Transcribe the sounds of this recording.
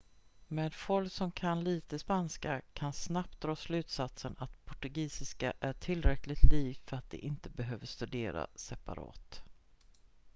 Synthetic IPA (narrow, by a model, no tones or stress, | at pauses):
meːd̪fɔlsɔmkʰanliːt̪əspanskakʰansnap̚t̪̚d̪ɾɑːslʉ̟ːt̪sat̪sənat̪pʰɔʈɵɡiːsɪskaʔæʈʰɪlɾɛklɪt̪ʰliːvfœɾat̪̚d̪ɛ̰ʔɪnt̪əbɛɦøːvəʂt̪ɵd̪eːɾa̰sɛpa̰ɾɑ̰ːt̪